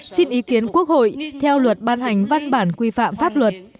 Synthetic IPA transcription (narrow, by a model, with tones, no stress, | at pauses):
si˧nʔi˨˦ki˨˦ənku˦˥ək̚ho̰˧˨jt̪ʰɛ˧wlwə˨˩t̚ɓaː˧nha˨˩jŋ̟va˧nɓaː˧˩nkwi˧fa̰ː˧˨mfaː˦˥p̚lwə˨˩t̚